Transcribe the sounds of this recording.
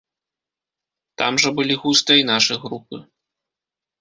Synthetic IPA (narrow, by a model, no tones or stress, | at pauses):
t̪a̰mʐɐbɨlʲiɣust̪ɨinaʂɨjɣɾupɨ